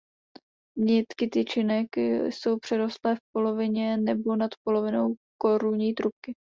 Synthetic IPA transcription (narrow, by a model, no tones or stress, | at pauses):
mɲɛt̪kɪt̪ɪt͡ʃɪnɛkso̞wpr̝̥ɛɾo̞st̪lɛːfpo̞lo̞vɪɲɛnɛbo̞nat̪po̞lo̞vɪnowko̞ɾuɲiːt̪ɾup̚kɪ